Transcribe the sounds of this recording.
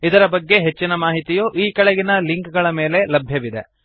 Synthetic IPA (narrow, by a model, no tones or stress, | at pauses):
id̪ɐɾɐbɐɡːe̞ɦe̞t͡ʃːinɐmaːɦit̪ijuʔiːkɐɭeɡinɐliŋkɡɐɭɐme̞ːle̞lɐbʱjɐʋid̪e̞̰